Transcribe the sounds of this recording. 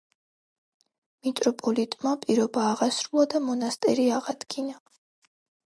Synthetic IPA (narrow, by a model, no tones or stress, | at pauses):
mit̪ʼɾɔpʼɔlit̪ʼmapʼiɾɔbaːʁasɾulˠad̪amɔnast̪ʼɛɾiaʁad̪̥ɡina